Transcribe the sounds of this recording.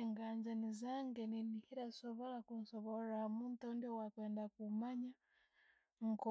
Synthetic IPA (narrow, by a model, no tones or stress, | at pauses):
ŋɡaɲd͡ʒanizaŋɡɛninihiɾasɔβɔlakunsɔβɔɾamuntaundiɔwakwɛndakumaɲa | ŋkɔ